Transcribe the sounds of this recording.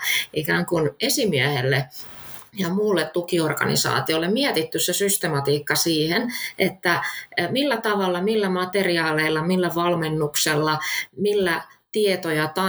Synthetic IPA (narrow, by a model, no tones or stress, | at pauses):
ʔikæːŋkunesimiæhḛlːe | jɑmulːet̪t̪ukiorkɑ̰nḭsɑ̰ːt̪iolːemmiɛt̪it̪ːyssesyst̪emɑt̪iːkːɑsiːhenʔet̪ːæmilːæt̪ɑʋɑlːɑmilːæmɑt̪eriɑːleilːɑmilːæʋɑlmenːukselːɑmilːæt̪iet̪ojɑt̪ɑ